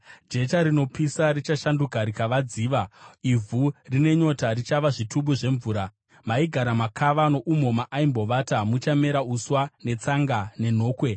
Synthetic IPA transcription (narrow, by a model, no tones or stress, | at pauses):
d͡ʒe̞taɾino̞pisarit͡ʃaʃandukaɾikaʋad͡ziːʋaivʱurine̞ɲo̞tarit͡ʃaʋaʐituɓuʐe̞ɱvuːɾa | maiɡʱaɾamakʰaʋano̞ʔumo̞maʔaimbo̞ʋatamut͡ʃame̞ɾauswane̞t͡saŋɡane̞n̤o̞ːkwe̞